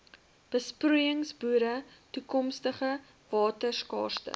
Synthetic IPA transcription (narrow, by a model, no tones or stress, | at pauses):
b̥əspruːjəŋsbuːɾətukɔmstəχə | vɑːtərskɑ̰ːrtə̰